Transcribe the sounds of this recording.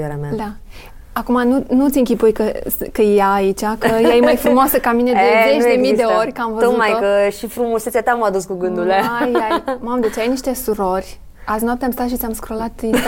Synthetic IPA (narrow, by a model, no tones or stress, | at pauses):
eɾea̰mad̪a | akumanunut̪sʲɨŋkʲipujkəkəjaːit͡ʃakəjajemajfɾumoasəkamine̞dezet͡ʃd̪emid̪eo̞ɾʲkəamvəomajuəʃifɾumosesʲjat̪aməad̪uskuɡɨnd̪uleajamamd̪et͡ʃajniʃt̪e̞suɾo̞rʲ | azinoap̚t̪eamst̪at̪ʃit̪sʲamskɾo̞lat̪i